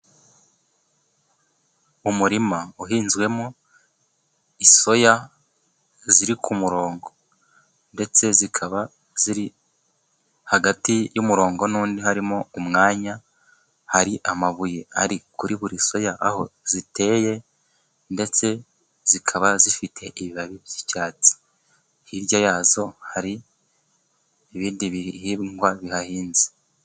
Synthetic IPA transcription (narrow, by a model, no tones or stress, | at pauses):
umuɾimauɦiːnzɡwe̞mo | iso̞ja | ziɾikʰumuɾo̞ːŋɡo̞ | nde̞t͡se̞zikʰaβa | z̥iɾi | haɡatijumuɾo̞ːŋɡo̞nuːndihaɾimoumŋaːɲa | haɾiʔamaβujeaɾikuɾiβuɾiso̞jaʔːho̞zite̞ːje̞ | nde̞t͡se̞ | z̥ikʰaβazifitʰe̞ʔiβiβaβiβjit͡ʃaːt͡si̥ | hiɾɟajaːzo̞haɾi | iβiːndiβiɾihiːbŋɡwaβihahiːnzi̥